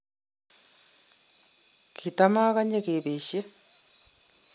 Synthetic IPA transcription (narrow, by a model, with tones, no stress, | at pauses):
kʰit̪a˦ma˦ka˦ɲe˦ke˨be˨ɕe˦